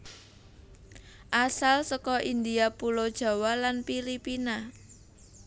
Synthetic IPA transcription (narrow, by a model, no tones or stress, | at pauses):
ʔasalsɔkɔʔind̪iapulod̥ʒ̥ä̤walanfilipina